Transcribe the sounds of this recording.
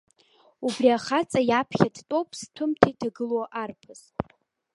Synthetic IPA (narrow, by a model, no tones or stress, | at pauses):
ubriaχat͡sʼajapʰχʲadtʼo̞wpʼʰstʷʰʊmtʰajtʰaɡɨloʔarpʰɨz̥